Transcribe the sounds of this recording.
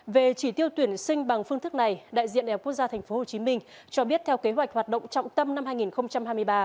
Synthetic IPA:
ve˨˩t͡ɕi˧˩t̪i˧əwt̪wi˧˩ənsï˧ŋ̟ɓa˨˩ŋfɨ˧əŋt̪ɨ˦˥k̚na˨˩jɗa̰ː˧˨jzḭ˧ə˨nɗa˨˩˨k̚k̚zaː˧t̪ʰɛ˨˩jŋ̟fo˨˦ho˨˩t͡ɕi˨˦mï˧ŋ̟t͡ɕɔ˧ɓi˦˥ət̚t̪ʰɛ˧wke˨˦ɦwa˨˩jk̚hwaː˨˩t̚ɗə̰˧˨wŋ͡mt͡ɕɔ̰˧˨ŋ͡mt̪ə˧mna˧mhaː˧jŋi˨˩nxə˧wŋ͡mt͡ɕa˧mha˧jmɨ˧jɓaː˧

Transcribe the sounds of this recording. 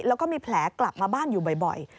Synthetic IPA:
lɛː˦˥wkɔː˥˩miː˧pʰlɛː˩˦kla˨˩p̚maː˧baː˥˩njuː˨˩bɔ˨˩jbɔ̰˨˩j

